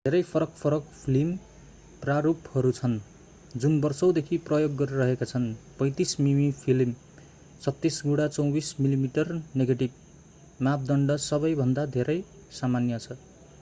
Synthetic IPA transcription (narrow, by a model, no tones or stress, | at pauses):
d̪ʱeɾʌjpʰʌɾʌkpʰʌɾʌkpʰilim | praɾuphʌɾut͡sʰʌn | d͡zunbʌrsʌw̃d̪ekʰiprʌjoɡːʌɾiɾʌɦekat͡sʰʌnpʌ̃j̃t̪ismimipʰilm | sʰʌt̪ːisɡuɽat͡sʌw̃bismilimiʈʌrneɡeʈib̚ | map̚ʰd̪ʌɳɖʌsʌbʌjbʱʌnd̪ad̪ʱeɾʌj | samanjʌt͡sʰʌ